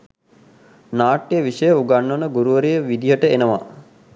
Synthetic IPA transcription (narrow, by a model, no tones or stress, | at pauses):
naːʈːijəʋiʃəjəuɡanːonəɡuɾuʋəɾijəʋid̪ijəʈəenəʋa̰